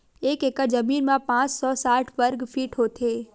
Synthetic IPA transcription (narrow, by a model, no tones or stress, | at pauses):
eːkekəd͡ʒəmiːnmãpãːt͡ʃsɔsaːʈʰʋəɾɡfʰiːʈɦot̪ʰeː